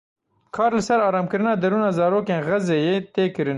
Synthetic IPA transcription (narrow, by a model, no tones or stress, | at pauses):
kʰɑːɾlɨsɛɾɑːɾɑːmkɨɾɨnɑːd̪ɐɾuːnɑːzɑːɾoːkeːnɣɐzeːjeːt̪eːkɨɾɨn